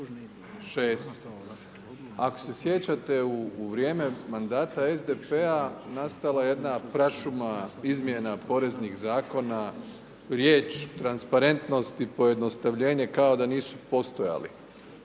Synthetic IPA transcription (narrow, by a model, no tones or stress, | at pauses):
ʃeːst̪ | ako̞̥se̞sje̞t͡ɕat̪e̞uːʋɾje̞ːme̞mand̪aːt̪ae̞zd̪epeanast̪alajejed̪napɾaʃumaizmje̞napo̞ɾe̞znixzaːko̞na | ɾje̞ːt͡ʃt̪ɾanspaɾe̞nt̪no̞st̪ipo̞je̞d̪no̞st̪aʋʎe̞ːɲe̞kao̞d̪aniːsu̥po̞st̪o̞ja̰lḭ